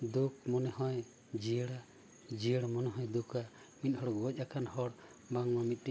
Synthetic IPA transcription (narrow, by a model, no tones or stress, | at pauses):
d̪uk̚mɔnɛhɔ̃j | d͡ʒiəɽa | d͡ʒiəɽamɔnɛɦɔ̃jd̪uka | mit̪̚hɔɽɔɡɔc̚ˀakʰanhɔɽ | baŋmamit̪̚ˀʈi